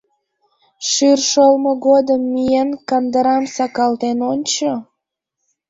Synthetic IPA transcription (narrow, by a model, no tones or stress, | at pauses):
ʃyrʃolmoɣod̪əmːijenkɑnd̪əɾɑmsɑkɑlt̪enonʲt͡ɕo